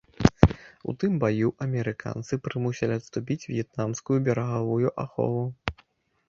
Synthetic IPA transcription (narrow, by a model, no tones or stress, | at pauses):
ṵt̪ɨmbajuʔɐmʲɛɾɨkʰa̰nt̪sɨpɾɨmusʲɛlʲiɐt̪st̪upʲit͡sʲvʲjɛt̪namskujubʲɛɾɐɣavujuʔaxɔ̰vu